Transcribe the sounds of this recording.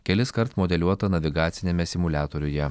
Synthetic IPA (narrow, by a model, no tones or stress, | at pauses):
kʲɛlʲɪskɐɾt̪mɔd̪ʲɛlʲuɔt̪ɐnɐʋʲɪɡɑːt̪sʲɪnʲɛmʲɛsʲɪmʊlʲæːt̪oːɾʲʊjɛ